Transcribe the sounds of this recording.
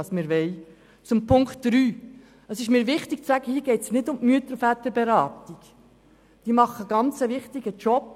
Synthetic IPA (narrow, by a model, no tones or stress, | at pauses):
ɑsmɪːɾʋɛɪ | t͡sʊmpʰʊŋktd̥ɾyː | əsɪʃmiːɾʋɪχtɪɡ̥̚t͡sæɡ̥əhiːɡɛɪtsnɪdʊmmyət̪əɾfæt̪əɾbɛɾɑːtiɡ̥ | d̥iːmɑχːəɡ̥ɑnt͡səʋɪχtɪɡət͡ʃɔp